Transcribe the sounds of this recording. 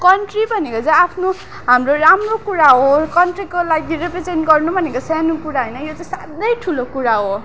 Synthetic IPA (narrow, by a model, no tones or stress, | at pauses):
kʌɳʈribʱʌnekot͡saj̃apʰno | ɦamroramrokuɾaɦokʌnʈrikolaɡirepred͡zenʈɡʌrnubʱʌnekosanukuɾaɦojnʌjot͡saj̃sad̪ʌjʈʰulokuɾaɦo